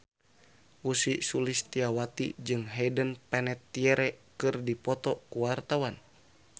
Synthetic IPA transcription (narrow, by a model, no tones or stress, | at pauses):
ʔusisulist̪iawat̪id͡ʒɨŋɦɛdənpɛnɛt̪ːiɛɾɛkɨrdipɔt̪ɔkuwart̪awan